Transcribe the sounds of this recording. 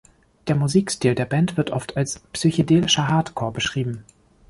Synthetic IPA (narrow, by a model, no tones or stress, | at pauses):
d̥eːɐmuziːkstiːldeːɐbɛntv̥ɪɐtʔɔftʰalspsyçodeːlɪʃɐɦaɐtkʰoːɐbəʃʁ̥iːbm̩